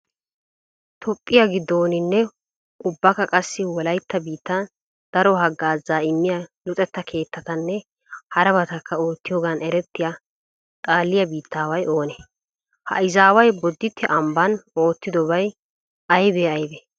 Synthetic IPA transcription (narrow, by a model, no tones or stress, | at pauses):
t̪ʰɔpʼːɪjɐɡɪd̪ːo̞ːnɪnːɛ | ʊbːɐkːɐkʼɐsːɪwɔlɐjt̪ːɐbiːt̪ːɐ | d̪̥ɐɾɔɦɐɡːaːzaːɪmːɪjalʊt̪ʼɛt̪ːɐkʰe̞ːt̪ːɐt̪ɐnːɛ | hɐɾɐbɐt̪ɐkːɐo̞ːt̪ːɪjoːɡɐnɛɾɛt̪ːɪja | t̪ʼaːlːɪjɐbiːt̪ʰːaːwɐjo̞ːnɛ | hɐ̰ɪzaːwɐjbɔd̪ːɪt̪ʰːɛʔɐmbɐno̞ːt̪ːɪd̪ɔbɐj | ɐjbeɐjbɛ